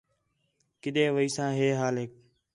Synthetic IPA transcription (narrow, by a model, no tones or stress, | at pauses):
kɪɗ̪ẽːʋəiːsãːɦeːɦaːlɦeːk̚